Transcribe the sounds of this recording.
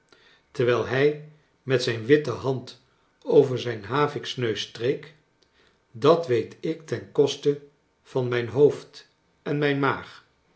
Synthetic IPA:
təɹʋɛːlˠɦɛj | mɛtsɛjnʋɪtəɦɑnt | owvəɹzɛjnɦaːvɪksnøɥstrejk | dɑtʋejtɪktɛnkɔstə | v̥ɑnmɛjnɦowft | ɛnmɛjnmaːχ

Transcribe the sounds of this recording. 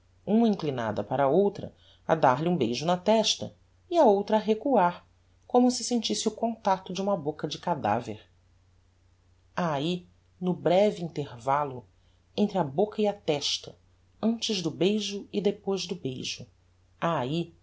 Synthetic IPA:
ũmɐĩŋklina̰d̪ɐpaɾɐowt̪ɾɐ̰ | ɐ̰d̪aɾliũbejʒʊnɐt̪ɛʃt̪ɐ̰ | iɐowt̪ɾɐːɦekuaɾ | kõmʊsɪsẽnt͡ʃisɪʊkõnt̪at̪ʊd͡ʒɪũmɐbokɐd͡ʒɪkad̪a̰vḛɾ | ai | nʊbɾɛviĩnt̪eɾvalʊ | ẽnt̪ɾɪɐbokɐiɐt̪ɛʃt̪ɐ | ɐ̃nt͡ʃɪʒd̪ʊbejʒʊɪd̪epojzd̪ʊbejʒʊ | ai

